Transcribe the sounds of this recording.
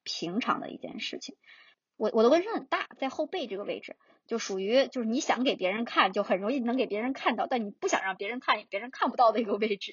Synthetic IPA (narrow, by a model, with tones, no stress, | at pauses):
pʰi˧˥ŋʈ͡ʂʰɑ̰˧˥ŋd̪ə̰˧ḭ˥˧t͡ɕjɛ̰˥˧nʂɻ̩˥˩t͡ɕʰi˩˦ŋ | wɔ˨˧˩wʔɔ˨˩d̪ə˥wə˥nʂə˧˥xə˨˩nt̪a˥˩t͡sa˥˧ɪxo˥˧ʊpe˥˧ɪʈ͡ʂɤ˥˩ɡə˩wḛ˥˩ɪʈ͡ʂɻ̩˨˩ | t͡ɕjo˥˧ʊʂu˨˩y˧˥t͡ɕjo˥˧ʊʂɻ̩˥˩ni˧˥ɕjɑ˧˥ŋke˨˩ɪpjɛ˧˥ɻə˧˥nkʰa˥˩nt͡ɕjo˥˩ʊxə˨˩nɻʊ˧˥ŋi˥˩nɤ˧˥ŋke˨˩ɪpjɛ˧˥ɻnkʰa˥˧nt̪ɑ˥˧ʊt̪a˥˩nni˨˩pu˥˩ɕjɑ̰˨˩ŋɻɑ˥˩ŋpjɛ˧˥ɻə˧˥nkʰa˥˩n˨˩pjɛ˧˥ɻə˧˥nkʰa˥˩npu˧˥t̪ɑ˥˩ʊd̪ə˩i˧˥ɡə˧we˥˩ɪʈ͡ʂɻ̩˨˩